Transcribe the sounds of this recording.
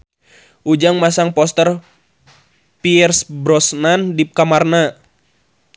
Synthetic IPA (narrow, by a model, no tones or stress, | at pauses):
ʔud͡ʒaŋmasaŋpɔst̪ər | piɛrsbɾɔsnandikamarna